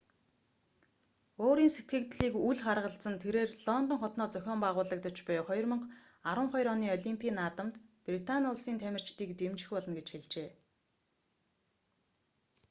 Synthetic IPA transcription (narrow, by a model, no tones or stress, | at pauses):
oːɾiːnset̪ɡɘ̆kt̪ɮiːkuɮχarʁə̆ɬt͡sə̆nt̪ʰeɾeːrɮɔnt̪ɞ̆ŋχɔt̪nɔːt͡sœxʲɔːmpæːʁʊːɮə̆k̚t̪ə̆t͡ɕpœjχɔj̆rmɞ̆ɴχ | aɾə̆ɴχɔjɾɔniːɔɮʲimpʰiːnaːt̪ə̆mt̪prit̪anʊɮsiːnt̪ʰæmʲɪ̆r̥t͡ɕt̪iːkt̪emt͡ɕxʲpɔɮɞ̆nɡet͡ɕxeɮt͡ɕeː